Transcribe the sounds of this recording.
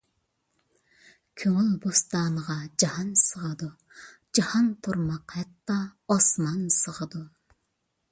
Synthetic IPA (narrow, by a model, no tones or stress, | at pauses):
kʲʰøŋylbust̪ɑːnəʁɑd͡ʒɑhɑnsəʁəd̪u | d͡ʒɑhɑnt̪ʰuɾmɑqhɛt̪ːɑɑsmɑnsəʁəd̪u